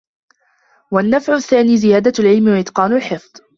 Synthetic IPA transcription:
wanːafʕʊθːaːniːzɪjaːd̪alʕɪlmɪwaʔɪt̪qɑːnʊlħɪfd̪ˤ

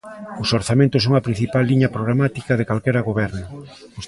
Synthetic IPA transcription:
ʊsoɾθamẽnt̪ʊs̬oŋɐpɾĩn̟θipalːiɲɐpɾoɣɾamat̪ikɐð̞ekalkeɾɐɣoβɛɾnʊ | s

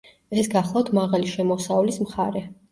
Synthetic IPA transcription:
ɛsɡaχlˠaft̪ʰmaʁaliʃɛmɔsavlismχaɾɛ

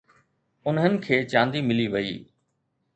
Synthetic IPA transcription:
ʊnɦənɪ̆kʰeːt͡ɕãːnd̪imɪliʋɐḭː

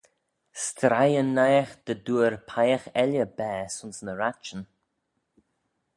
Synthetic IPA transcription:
st̪ɾajənːajxd̪̥əd̪uəɾpʰajəxɛljəbɛːsʊnsnəɾat͡ʃən

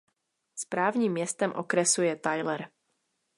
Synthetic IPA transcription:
spɾaːvɲiːmːjɛst̪ɛmʔo̰kɾɛsujɛt̪ajlɛɾ

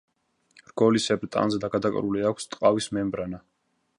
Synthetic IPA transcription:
rɡ̥ɔlisɛbɾt̪ʼa̰nzɛd̪aɡad̪akʼɾuliakʷʰst̪ʼqʼavismɛmbɾana

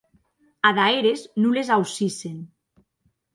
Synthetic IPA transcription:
aðaeɾeznulezawsisen

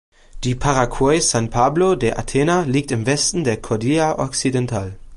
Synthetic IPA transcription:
d̥iːpʰaʁakʰwɔɪsanpʰaːblodeɐʔa̰tʰeːnaliːk̚tɪmvɛstn̩deːɐkʰɔɐdiːaʔɔksidɛntʰaːl

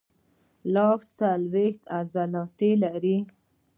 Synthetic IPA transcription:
lɑkt͡salwext̪azalɑt̪ilaɾi

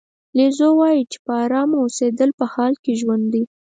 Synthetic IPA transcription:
lezowɑjit͡ʃe̥pəɑɾɑmoosed̪əlpəhɑlkeʒwand̪i

